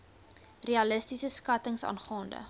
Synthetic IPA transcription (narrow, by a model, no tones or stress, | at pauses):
reɐləstisəskɐtəŋsɑ̰ːnχɑːndə̰